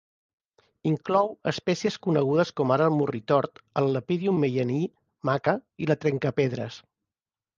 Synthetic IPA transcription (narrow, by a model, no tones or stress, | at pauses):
iŋklɔwəspɛsiəskunəɣuð̞əskɔmaɾəlˠmurit̪ɔɾt̪əlˠːəpiðiumːejəni | makəilət̪ɾɛŋkəpeðɾə̰s